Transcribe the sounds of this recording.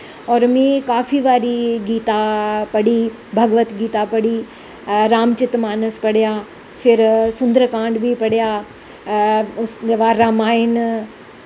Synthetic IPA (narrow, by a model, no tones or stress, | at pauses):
ɔːɾmĩːkaːfiʋaːɾiɡiːt̪apɐɽi | bʱɐɡʋət̪ɡiːt̪apɐɽi | ɾaːmt͡ɕɪt̪maːnəspɐɽijaː | fʰɪɾsʊ̃nd̪əɾkãːɳɖbʱipɐɽijaː | ʊseʋaːɾaːmaːɦɪn